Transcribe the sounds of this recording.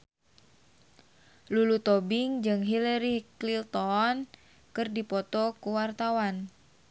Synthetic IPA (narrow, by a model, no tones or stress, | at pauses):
lulut̪ɔbiŋd͡ʒɨŋɦilɛɾiklilt̪ɔn | kɨrdipɔt̪ɔkuwart̪awan